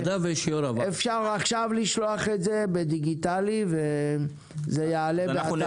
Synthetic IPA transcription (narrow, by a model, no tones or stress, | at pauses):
d̪aveʃioɾavaefʃaʁaχʃavliʃlo̞aχetze̞bed̪iɡit̪alive | zejaːle